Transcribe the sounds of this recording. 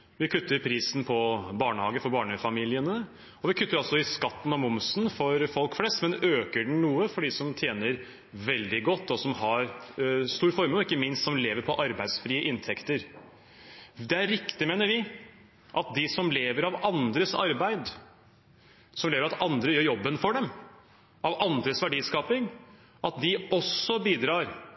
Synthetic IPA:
ʋɪkʰʉt̪ːəɾpʰɾiːsn̩pʰɔbɑːɳəhɑːɡəfɔɾbɑːɳəfɑmiːlɪənə | ɔʋɪkʰʉt̪ːəɾɑlsɔɪskɑt̪ːn̩ɑmʊmsnfɔɾfɔlkflɛst̪mɛnøːkəɖɳ̩nuːəfɔɖɪsɔmt̪ʰjeːnəɾ | ʋɛld̪ɪɡɔt̪ːɔsɔmhɑɾst̪uːɾfɔɾməɔɪkːəmɪnst̪sɔmleːʋəɾpʰɔʔɑɾbæɪd̪sfɾiːəʔɪnt̪ʰɛkt̪əɾ | d̪ɛæɾɾːɪkt̪ɪmeːnəɾʋɪ | ʔɑt̪̚d̪ɪsɔmleːʋəɾɑʋɑnd̪ɾəsɑ̰ɾbæɪd̪ | sɔmleːʋɾɑt̪ɑnd̪ɾəjøːɾjɔbːənfɔɖɛm | ʔɑʋʔɑnd̪ɾəsʋæɖiːskɑːpɪŋ | ʔɑt̪̚d̪ɪɔsːɔbiːd̪ɾɑːɾ

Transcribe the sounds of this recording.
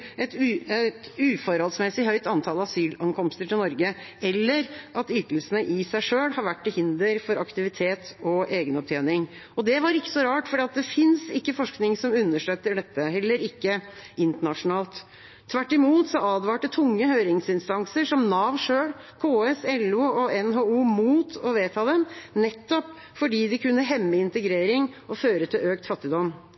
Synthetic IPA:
ɛt̪ːɛt̪ʉːfɔɾhɑlsmɛsɪɦœʏt̪ɑnt̪ʰɑləɑsyːlɑŋkɔmst̪əʈʰɪlnɔɾɡəɛlːəɾʔɑt̪ʏt̪l̩sənəʔɪsæɪʂøːɽhɑɾʋæʈːɪlhɪnd̪əɾfɔɾɑkt̪ɪʋɪt̪ʰeːt̪ɔʔeːɡənɔp̚t̪ʰjeːnɪŋ | ɔd̪ɛʋɑɾɪkːə̥sɔɾɑːʈfɔɖiːɑt̪̚d̪ɛfɪnsɪkːəfɔʂknɪŋsɔmʉnːəʂɭøːt̪ːəɖɛt̪ːəhɛlːəɾɪkːəɪnt̪əɳɑʂʊnɑːlt̪ʰː | ʋæʈːɪmuːt̪sɔɑːd̪ʋɑːʈːət̪ʰʊŋːəhøːɾɪŋsɪnst̪ɑŋsəʂɔmnɑːʋʂøːɽkʰoːɛsɛluːɔɛnɦoːuːmuːt̪ʰɔʋeːt̪ʰɑːd̪ɛmnɛt̪ːɔp | fɔɖiːd̪ɪkʉnːəɦɛmːɪɪnt̪əɡɾeːɾɪŋɔføːɾət̪ʰɪløːkt̪fɑt̪ːɪd̪ɔmː

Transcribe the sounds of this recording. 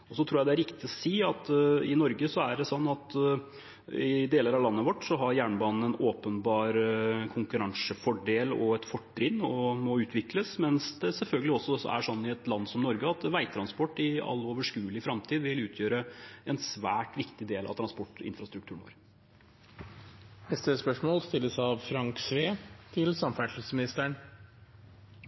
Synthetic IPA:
ɔsɔt̪ʰɾuːjæɪd̪æɾɪkt̪ɪɔsiːɑt̪ɪnɔɾɡəsɔæɖɛsɔnːɑt̪ | ɪd̪eːləɾɑʋlɑnːəʋɔʈːsɔɦɑɾjæːɳbɑːnn̩ɛnoːpənbɑːɾkʰʊŋkʉɾɑŋsəfɔɖeːlɔɛt̪fɔʈːɾɪnːɔmɔʉːt̪ʰʋɪkləsmɛnsd̪ɛsɛlfœlɡəlɪɔsːɔsɔ̰æ̰ʂɔnːɪɛt̪lɑnːsɔmnɔɾɡəɑt̪ʋæɪt̪ʰɾɑnspɔʈːɪɑ̰lːoːʋəʂkʉːlɪfɾɑmt̪ʰiːd̪ʋɪlʉːt̪ʰjøːɾəɛnsʋæːʈʋɪkt̪ɪd̪eːlɑ̰ʋt̪ʰɾɑnspɔʈːɪ̰nfɾɑst̪ɾʉk̚t̪ʰʉːɳnʋɑ̰ːɾ | nɛst̪əspœʂmoːlst̪ɪlːəsɑʋfɾɑŋksʋeːt̪ʰɪlsɑmfæʂəsmɪnɪst̪əɳ

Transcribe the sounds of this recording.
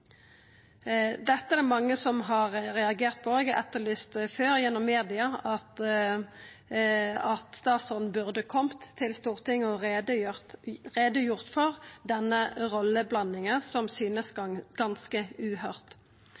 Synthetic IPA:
d̪ɛt̪ːəæɾd̪ɛmɑŋːəsɔmɦɑɾɾɛɑɡeːʁt̪̚pʰɔɛɡɛ̰t̪ːəlʏst̪føːɾjɛnːɔmːeːd̪ɪɑɑt̪ | ɑt̪st̪ɑːt̪sɔʁn̩bʉʁd̪əkʰɔmt̪ʰːɪlst̪uːʁt̪ʰɪŋːəɔʁd̪ | ʁeːd̪əjʊʁt̪fɔʁd̪ɛnːəʁɔlːəblɑnːɪŋənsɔmsyːnəsɡ̥ɑnskəʉːhœʁt̪

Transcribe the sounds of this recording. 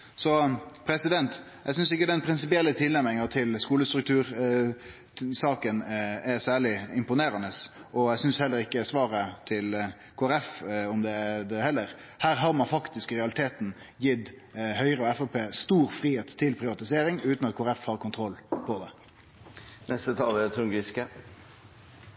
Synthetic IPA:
sɔpʰɾɛsɪd̪ɛnt̪ | ɛɪɡsʏnsɪkːəd̪ɛnpʰɾɪnsɪpɪɛlːət̪ʰɪlːæmɪŋɑt̪ʰɪlskuːləst̪ɾʉk̚t̪ʰʉːɾ | sɑːkənɛɾsæːɭɪɪmpʊneːɾɑnəs | ʔɔæɡsʏnshɛlːəɾɪkːəsʋɑːɾət̪ʰɪl | kʰoɛɾɛfɔmd̪ɛæd̪ɛhɛlːəɾ | hæːɾɦɑːɾmɑnfɑkt̪ɪskɾɛɑlɪt̪ʰeːt̪n̩ | jɪd̪hœʏɾəɔɛfɔpʰeːst̪uːɾfɾiːheːt̪ʰːɪlpʰɾɪʋɑt̪ɪseːɾɪŋʉːt̪nɑt̪̚kʰːɾɛfhɑːɾkʰʊnt̪ʰɾɔlːpʰɔd̪ɛ | nɛst̪ət̪ʰɑːlɛt̪ʰʊŋɡɪskə

